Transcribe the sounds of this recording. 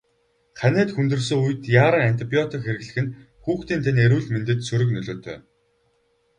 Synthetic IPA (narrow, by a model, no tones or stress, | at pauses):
χænæːt̪xunt̪ɵ̆rs̬ɵ̆ŋujɘ̆t̪jaːɾə̆ŋan̥t̪ʰipiɔt̪ikxeɾɘ̆ɣɮɘ̆xɘ̆n | xuːxt̪iːnt̪ʰeneɾuːɮment̪ɘ̆t̪sɵɾɵ̆knɵɮoːt̪ʰœ̰ː